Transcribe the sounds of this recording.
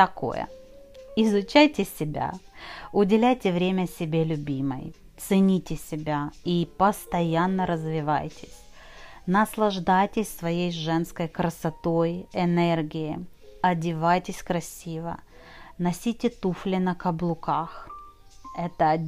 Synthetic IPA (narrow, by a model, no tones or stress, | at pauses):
t̪ɐko̞̰jə̰ | ɪzʊt͡ɕajtʲɪsʲɪbʲa̰ʊdʲɪlʲæjtʲɪvɾʲemʲəsʲɪbʲelʲʊbʲimə̰j | t̪sɨnʲitʲɪsʲɪbʲaipəst̪ɐjanːəɾəzvʲɪva̰jtʲɪ̥sʲ | nəslˠɐʐd̪ajtʲɪsʲsvɐjejʐɛnskəjkɾəsɐt̪o̞jɛnɛrɡʲɪjɪ | ɐdʲɪvajtʲɪsʲkɾɐsʲivə̰ | nɐsʲitʲɪt̪uflʲɪnəkɐblˠʊkax | ɛt̪ə